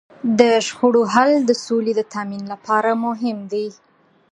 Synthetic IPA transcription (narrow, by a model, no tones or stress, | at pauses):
d̪əʒxoɽoɦald̪əsoled̪ət̪ʰaminlapɑɾamʊɦɪmd̪e